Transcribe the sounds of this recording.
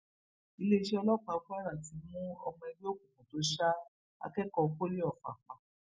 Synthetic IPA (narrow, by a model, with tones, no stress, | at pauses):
i˧le˦i˧˦ʃe˦ɔ˧lɔ˦k͡pa˧fu˦a˦ɾa˦˨ti˨˦mũ˦ɔ̰˧mɔ̃˧ɛ˧ɾi˦o˦kũ˨kũ˨to˨˦ʃa˦ | a̰˧kɛ˦kɔ˧ko˦le˦ɔ˦˨fa̰˨k͡pa˨